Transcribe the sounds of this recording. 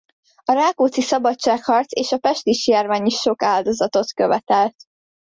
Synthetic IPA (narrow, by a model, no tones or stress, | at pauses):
ɒɾaːkoːt̪sisɒbɒt͡ʃaːkhɒrt̪seːʃɒpɛʃt̪iʃjaːrvaːɲiʃo̞kaːld̪o̞zɒt̪o̞t̪køvɛt̪ɛlt̪